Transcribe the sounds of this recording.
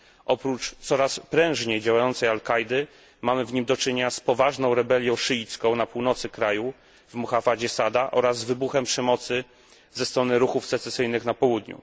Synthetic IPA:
ʔɔpɾut͡ʂt̪sɔɾaspɾɛ̃w̃ʐɲejd͡ʑawajɔnt̪sɛjalkajd̪ɘ | mamɘvɲimd̪ɔt͡ʂɘɲɲaspɔvaʐnɔ̃w̃ɾɛbɛlʲjɔ̃w̃ʂɘit̪skɔ̃w̃napuwn̪ɔt̪sɘkɾaju | vmuxafad͡ʑɛsad̪aʔɔɾazːvɘbuxɛmpʂɛmɔt̪sɘ | zɛst̪ɾɔnɘɾuxufsɛt̪sɛsɘjnɘxnapɔwud̪ɲṵ

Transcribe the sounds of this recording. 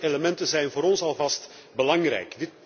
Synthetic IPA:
eləmɛntənzɛjnvoːɾɔnsɑlˠvɑst | bəlɑŋrɛ̰jkdɪt

